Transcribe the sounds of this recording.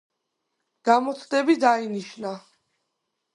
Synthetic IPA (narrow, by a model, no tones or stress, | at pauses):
ɡ̥amɔt̪sʰd̪ɛbid̪ainiʃna